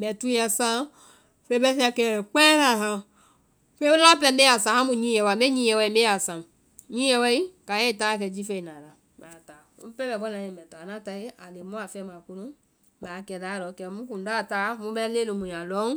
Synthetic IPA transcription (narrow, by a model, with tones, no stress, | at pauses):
mɛ˨tu˦a˨sã˦ | fe˦bɛ˦si˦a˨kɛ˨k͡pɛ˦ɾa˨ɦa˨ | fe˦u˦a˦pɛ˦˨mbe˦a˨sã˨ha˦mu˨ɲĩ˦jɛ˨wa˨me˦ɲi˦jɛ˨wɛ˦i˨˦be˦a˨sã˨ | ɲĩ˦ɛ˦wɛ˦i˦ka˨je˦˨ta˦˨k̬ɛ˨d͡ʒi˦fe˦i˨na˨ɾa˨ | ma˨ta˨ | ṵ˦pɛ˦bɛ˨bɔ˦na˨je˨mɛ˨ta˨na˦ta˨i˦a˨le˨mu˦a˨fɛ˦ma˨ku˦nu˦ | ba˨kɛ˨da˨˦ɾɔ˨˦kɛ˨mu˦ku˨n˨da˦˨ta˦mu˦bɛ˦le˦lo˨mũ˨ja˨lɔ˦ŋ